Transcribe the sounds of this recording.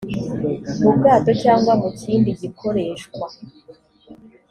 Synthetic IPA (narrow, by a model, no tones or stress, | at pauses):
mubɡaːto̞caːŋɡwamuciːndiɟikʰo̞ɾe̞ːʃkwa